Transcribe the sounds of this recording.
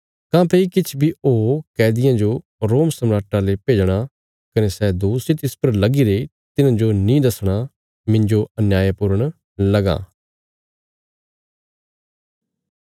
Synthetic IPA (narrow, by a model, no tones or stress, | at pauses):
kãːpʰeikɪt͡ʃʰbiːoːkɛːd̪ɪjãːd͡ʒoː | ɾoːmsəmɾaːʈãlepeːd͡ʒɽ̃aː | kəneːsɛːd̪oːsit̪ɪspəɾləɡiːɾe | t̪ɪnãːd͡ʒonĩːd̪əsɽ̃aː | mɪ̃ɲd͡ʒoənjaːjapʊɾəɳ̃ | ləɡã̰ː